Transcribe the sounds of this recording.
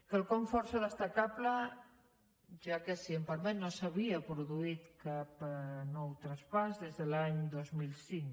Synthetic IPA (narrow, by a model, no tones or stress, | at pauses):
kəlkoɱfɔɾseðəst̪akaplə | ʒakesiempaɾmenosaβiapɾuðuit̪kapnɔwt̪ɾaspazðezðəlaɲd̪ozmilsiŋ